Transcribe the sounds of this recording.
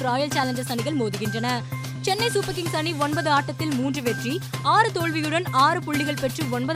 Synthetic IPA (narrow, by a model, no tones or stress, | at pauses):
ɾaːjɐlt͡ʃaːlɐɲd͡ʒɐsɐnɪɣɐɭmoːðɯɣɪndrɐnɐ | t͡ʃɛnːɐɪsuːpɐkːɪŋsɐniɔnbɐðɯaːʈːɐt̪ːɪlmuːndrɯʋɛʈriaːɾɯt̪oːɭʋɪjɯɽɐnaːɾɯpʊɭːɪɣɐɭpɛʈrɯɔnbɐð